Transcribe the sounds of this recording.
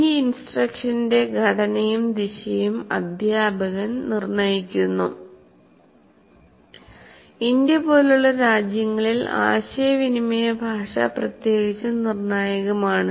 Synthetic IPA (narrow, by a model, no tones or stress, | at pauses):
iinsʈrɐkʂɐnde̞ɡʱɐɽɐnɐjumd̪iɕɐjumɐ̰d̪ʱjaːbɐɣɐnnirnɐjikʲːunːṵ | indjɐpo̞ːluɭːɐɾaːd͡ʑjɐŋːɐɭila̰ːɕɐjɐʋinimɐjɐbʱaːʂɐ̰prɐt̪je̞ːɣit͡ɕːunirnaːjɐɣɐmaːɳɨ